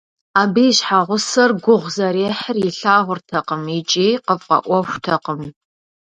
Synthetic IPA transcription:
aːbijɕħaʁʷʊsɐrɡʷʊʁʷzɐɾeːħərjɪɬaːʁʷʊrtʰɐqəmit͡ʃʼiːqəvqʼɐ̰ʔʷɔʃʷtʰɐqəm

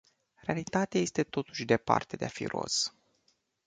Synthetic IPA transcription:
re̞alit̪at̪eaje̞st̪e̞t̪o̞t̪u̥ʃʲd̪e̞pa̰rt̪e̞d̪e̞afḭro̞̰s

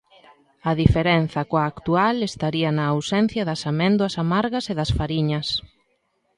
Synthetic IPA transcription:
ɐðifeɾɛnθɐkoɐːkt̪ualest̪aɾiɐnɐːwsɛn̟θjɐðɐsamɛ̃nd̪wɐsamaɾɣɐseðɐsfaɾiɲɐs

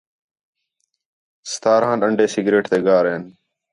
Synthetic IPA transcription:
st̪aːɾãːnɗəɳɖʱeːsɪɡɾeːʈt̪eːɡaːɾeːn

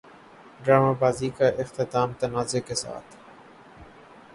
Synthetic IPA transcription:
ɖɾaːmabaːzikaʔɪqt̪ɪt̪aːmt̪ɐnaːzekesa̰ːt̪ʰ

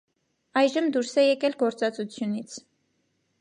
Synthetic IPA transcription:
ɑjʒəmd̪uɾsɛjɛkɛlɡɔɾt͡sɑt͡sut͡sʰjunit͡sʰ

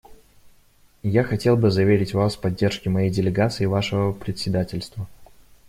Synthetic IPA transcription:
jaxɐtʲe̞lˠbɨzɐvʲeɾʲɪtʲvaspɐdʲːe̞rʂkʲɪmɐjejdʲɪlʲɪɡat̪sɨɪvaʂəvəpɾʲɪtʲsʲɪd̪atʲɪlʲst̪və

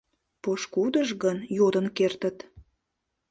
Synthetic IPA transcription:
poʃkud̪əʒɣənjod̪ə̆nkert̪ə̆t̪

